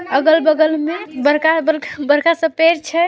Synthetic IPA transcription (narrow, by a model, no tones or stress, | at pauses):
əɡəlbəɡəlmebəɾkabəɾbəɾkasəpeɾt͡ʃʰɛ